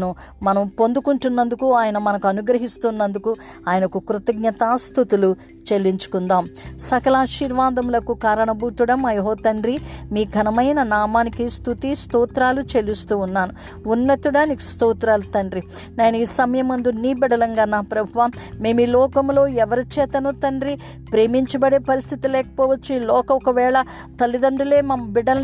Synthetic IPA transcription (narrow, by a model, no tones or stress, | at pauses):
nu | mɐnɐmpo̞nd̪ukuɳʈunːɐnd̪ukuaːjɐnɐmɐnɐkuɐnuɡɾɐɦist̪unːɐnd̪uku | aːjɐnɐkukɾut̪ɐɡ̚ɲɐt̪aːst̪ut̪ulu | t͡ʃe̞lːiɲt͡ʃu̥kund̪aːmsɐkɐlaːʃiːɾʋaːd̪ɐmlɐkukaːɾɐɳɐbuːt̪uɽɐmɐjɐɦɔːt̪ɐɳɾimiːɡʱɐnɐmɐjnɐnaːmaːnikist̪ʰut̪ist̪uːt̪ɾaːlut͡ʃe̞list̪uːnːaːnu | unːɐt̪uɽaːniki̥st̪uːt̪ɾaːlut̪ɐɳɖɾi | neːnuiːsɐmɐjɐmɐnd̪unːiːbɛɽɐlɐŋɡaːnːaːpɾɐbʱuʋaːmme̞ːmiːlɔːkɐmlo̞ːɛʋɐɾit͡ʃɛːt̪ɐnut̪ɐɳɖɾi | pɾe̞ːmiɲt͡ʃɐbɐɽe̞ːpɐɾist̪ʰit̪ilɛːkɐ̥pɔːʋɐt͡ʃːuiːlɔːkɐɔkɐʋɛːɭɐ | t̪ɐlːid̪ɐɳɖule̞ːmɐmɐbiɽɐn